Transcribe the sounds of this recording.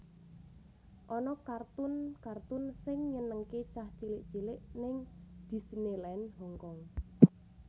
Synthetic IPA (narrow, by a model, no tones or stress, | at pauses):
ʔɔnɔkart̪ʊnkart̪ʊnsɪŋɲənəŋket͡ʃaht͡ʃilɪʔt͡ʃilɪʔnɪŋd̪̥i̤snelɛnɦɔŋkɔŋ